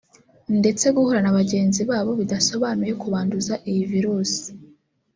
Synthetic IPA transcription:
nde̞t͡se̞ɡuhoɾanaβaɟe̞ːnziβaːβo̞βidaso̞βaːnuje̞kuβaːnduzaʔijiviɾuːsi̥

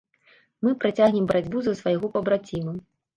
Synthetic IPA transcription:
mɨpɾat͡sʲaɣnʲɛmbɐɾad͡zʲbuzɐsvajɣɔpɐbɾat͡sʲimɐ

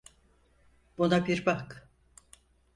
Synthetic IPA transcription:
b̥unabiɾbak

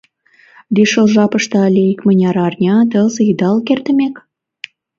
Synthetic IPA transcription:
d̪iʃəlʒɑpəʃt̪ɤɑlʲeikmənʲɑɾɑrnʲɑd̪ɤzid̪ɑlkert̪ə̆mʲek

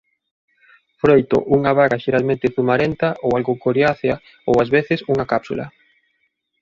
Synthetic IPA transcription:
fɾojt̪o̰ʔuŋaβaɣaʃeɾalmẽnt̪ɪθumaɾent̪aʔowalɣokoɾjaθja | owazβeθɪsuŋɐkapsulɐ̰

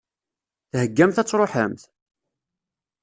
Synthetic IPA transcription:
θhəɡːæmθæt͡sːɾˤoħə̰mθ

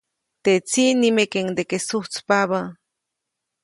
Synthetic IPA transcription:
t̪et͡sinimekeŋd̪ekesuht͡spaβa

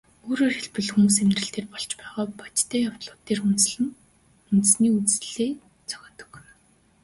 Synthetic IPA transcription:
oːɾoːrxeɮpɘ̆ɮxumuːs̬emt̪rɘ̆ɬt̪eːrpɔɮt͡ɕpæːʁɔːpḁt͡ɕt̪ʰæːjawt̪ɮʊːt̪ːeːrunɮɘ̆ŋ | unt̪ɘ̆sniːut͡sɮeː | t͡sʰœ̥xʲɔːt̪ɞ̥̆k

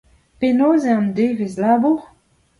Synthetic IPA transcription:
penoːzeɑ̃mdevezlaːbuʁ

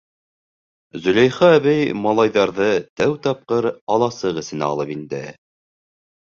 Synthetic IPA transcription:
zɵ̆læjχɑːβæjmɑlˠɑjðɑɾðɤt̪æwt̪ɑp̚qɤɾɑlˠɑsɤʁɘ̆sɘ̆næ̰ɑ̰lˠɤpind̪ɘ̰

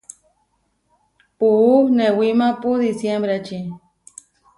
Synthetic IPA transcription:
puunewimapud̪isjembɾat͡ʃi

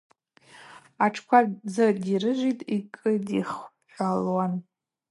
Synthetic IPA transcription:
aʈ͡ʂʰkʷʰad͡zɨdirɨʒʷitʼikʼɨdiχħʷalwan

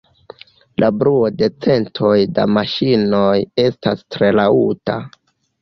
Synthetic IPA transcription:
lʔabɾuode̞t͡se̞ntʰo̞jda̰maʃino̞je̞stastɾe̞lauta̰

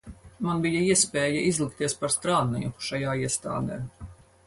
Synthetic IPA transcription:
manbijaiɛspeːjaʔizlˠikt̪iɛspaɾst̪ɾaːd̪nɛjuʃajaːiɛst̪a̰ːd̪eː

